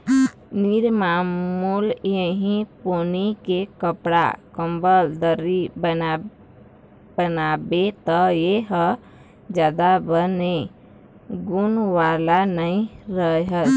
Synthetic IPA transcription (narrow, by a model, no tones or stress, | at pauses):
niɾmammuljəɦĩponikekəpɽa̰kəmbəld̪əɾiən | bənabet̪əjeɦə | d͡ʒad̪abəne | ɡunʋalanəĩɾəɦə